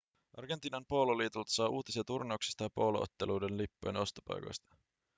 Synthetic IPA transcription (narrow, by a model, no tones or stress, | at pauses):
ʔɑrɡent̪iːnɑnpoluliːt̪ult̪ɑ̥sɑːʔuːt̪isiɑt̪urneuksi̥st̪ɑjɑpo̞luʔo̰t̪ːeluːdenlipːo̰jeno̞st̪opɑ̰jko̰jst̪ɑ̥